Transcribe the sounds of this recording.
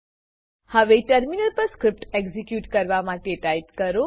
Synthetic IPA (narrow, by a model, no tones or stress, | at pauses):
həʋeʈəɾminəlpəɾskɾɪp̚ʈeɡzikjuʈkəɾʋamãʈeʈajp̚kəɾo